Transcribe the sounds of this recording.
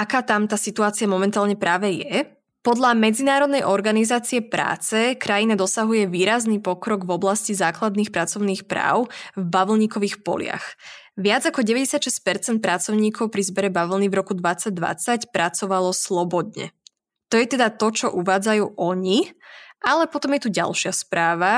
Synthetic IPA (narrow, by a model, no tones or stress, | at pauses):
ʔakaːt̪amt̪aːsit̪uaːt͡siamɔmɛnt̪aːlɲɛpɾaːʋɛjɛ | pɔd̪ʎamɛd͡zinaːɾɔd̪nɛjʔɔɾɡanizaːt͡siɛpɾa̰ːt͡sɛkɾajinad̪ɔsaɦujɛʋiːɾaznipɔkɾɔɡvɔblascizaːklad̪niːxpɾat͡sɔʊniːxpɾa̰ːʊvbaʋl̩ɲiːkɔʋiːxpɔ̰lɪa̰x | ʋɪad͡zakɔɟɛʋɛɟɛsjat̪ʃɛsc̚pɛɾt͡sɛnt̪̚pɾat͡sɔʊɲiːkʰɔʊpɾizbɛɾɛbaʋl̩nivɾɔkud̪ʋat͡saɟ̚d̪ʋa̰t͡sacpɾat͡sɔʋalɔslɔbɔd̪ɲɛ̰ | t̪ɔjɛt̪ɛd̪at̪ɔt͡ʃɔʔuʋaːd͡zajuːʔɔɲiʔalɛpɔt̪ɔmjɛt̪uɟa̰lˠʃɪaspɾaːʋa